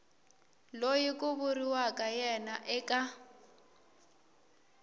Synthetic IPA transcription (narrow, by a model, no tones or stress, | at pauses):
lojikʼʊβʊriwakʼajɛnaʔɛkʼa